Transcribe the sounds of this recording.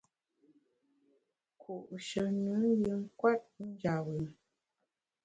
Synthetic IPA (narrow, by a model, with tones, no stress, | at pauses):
kʰu˨ʔʃə˨nɨ˨˦jə˨ŋ̩˦kwa˦t̚n̩˦d͡ʒa˨wə˨